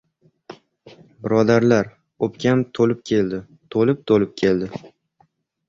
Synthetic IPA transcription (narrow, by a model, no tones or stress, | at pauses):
bɪɾɒd̪aɾlaɾ | opkʲʰant̪ʰolɪp̚kʲʰe̞ld̪ɪ | t̪ʰolɪp̚t̪ʰolɪp̚kʲʰe̞ld̪ɪ